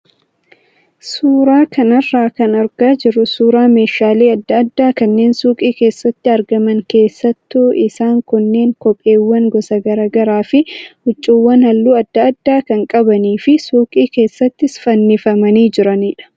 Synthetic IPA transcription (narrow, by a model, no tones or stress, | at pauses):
suːɾaːkʰɐnɐrːaːkɐnɐɾɡaːd͡ʒɪɾʊsuːɾaːme̞ːʃaːleːɐd̪ːɐɐd̪ːaːkɐnːe̞ːnsuːkʼiːke̞ːsːɐt̪ːɪɐɾɡɐmɐŋke̞ːsːɐt̪ːuːʔɪsaːŋkʊnːe̞ːŋkɔpʼːe̞ːwːɐŋɡɔsɐɡɐɾaːɡɐɾaːfɪhʊt͡ʃʼːiwːɐnhɐlːuːɐd̪ːɐɐd̪ːaːkɐŋkʼɐbɐniːfɪsuːkʼiːke̞ːsːɐt̪ːɪsfɐnːɪfɐmɐniːd͡ʒɪɾɐniːᶑɐ̥